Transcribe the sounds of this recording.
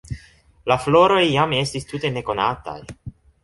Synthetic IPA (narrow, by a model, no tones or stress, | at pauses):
laflo̞ɾo̞jːame̞stistute̞ne̞ko̞nata̰j